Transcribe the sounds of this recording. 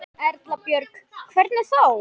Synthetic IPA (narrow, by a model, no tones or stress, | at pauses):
ɛɾt̪lapjœɾkkʰvɛɾt̪nɪθow